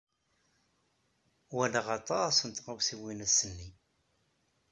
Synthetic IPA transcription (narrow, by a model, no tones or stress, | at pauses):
wæləʁɑt̪ˤɑsənt̪ʁəwsiwinæsənːi